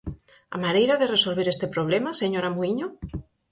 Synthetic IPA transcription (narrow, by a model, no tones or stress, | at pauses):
a̰maɾejɾaðeresolβeɾest̪epɾoβ̞lemaseɲoɾamoiɲo